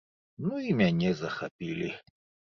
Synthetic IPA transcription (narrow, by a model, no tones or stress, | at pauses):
nuimʲanʲɛzɐxapʲilʲi